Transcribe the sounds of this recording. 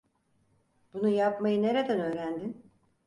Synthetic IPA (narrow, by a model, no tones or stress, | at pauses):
b̥unujapmajɯne̞ɾed̪ænø̞ːɾænd̪in